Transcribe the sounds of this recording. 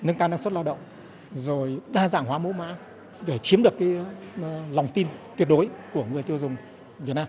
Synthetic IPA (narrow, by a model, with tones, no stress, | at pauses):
nɨ˧ŋkaː˧na˧ŋswə˦˥t̚laː˧wɗə̰˧˨ŋ͡m | zo˨˩jɗaː˧za̰ː˧˩ŋwaː˨˦mo˨˦ma̰ː˨˦ | ve˧˩t͡ɕi˨˦mɗɨ˨˩əkːaː˨˦j | la˨˩wŋ͡mt̪i˧nt̪wi˨˥ət̚ɗo˨˦jku˧˩əŋɨ˨˩əjt̪i˧əwzʊ˨˩ŋ͡m | vi˨˩naː˧